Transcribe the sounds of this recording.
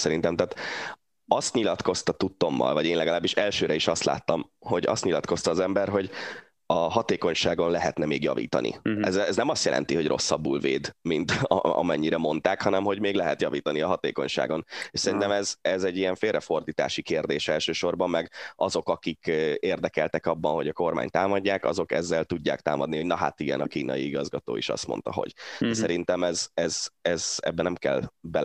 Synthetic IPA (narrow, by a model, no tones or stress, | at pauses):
sɛɾint̪ɛmt̪aːt̪ | ɒst̪ɲilɒt̪ko̞st̪ɒt̪ut̪ːo̞mːɒ̰lvɒɟeːnlɛɡɒlaːbːiʃɛlʃøːɾɛiʃɒst̪la̰ːt̪ːɒmho̞ɟɒ̰st̪ɲilɒt̪ko̞st̪ɒːzɛmbɛrɦo̞ɟ | ɒɦɒt̪eːko̞ɲʃaːɡo̞nlɛɦɛt̪nɛmeːɡjɒ̰vḭːt̪ɒ̰nḭɛzːɛɛznɛmɒst̪jɛlʔɛ̰nt̪iɦo̞ɟrʔo̞̰sːɒbːṵːlvḛːd̪mint̪ɒ̰mɛɲːiɾɛmo̞nt̪aːkhɒnɛmɦo̞ɟmeːɡlɛɦɛt̪jɒviːt̪ɒniɒɦɒt̪ḛːko̞̰ɲʃa̰ːɡo̞neːʃsɛɾint̪ɛmɛzɛzɛɟːijɛɱfeːlrɛfo̞rd̪iːt̪a̰ːʃikeːrd̪eːʃɛlʃøːʃo̞rbɒmːɛɡɒzo̞kɒkikeːrd̪ɛkɛlt̪ɛkɒbːɒnɦo̞ɟɒko̞rma̰ːɲt̪aːmɒɟːaːkɒ̰zo̞kɛ̰zːɛlt̪uɟːa̰ːk̚t̪aːmɒd̪niho̞ɟnɒɦa̰t̪iɡɛ̰nɒkiːnɒ̰jiiɡɒzɡɒt̪o̰ːḭʃɒ̰st̪mo̰n̪t̪ɒɦo̞̰ɟ̥d̪ɛsɛɾint̪ɛmɛzɛzɛzɛ̰bːɛnɛmkɛ̰lbɛ